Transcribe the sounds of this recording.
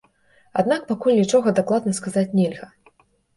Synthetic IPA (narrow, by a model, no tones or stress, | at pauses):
ad̪nak̚pakulʲnʲit͡ʂɔɣɐd̪aklˠad̪nɐskazat͡sʲnʲɛlʲɣɐ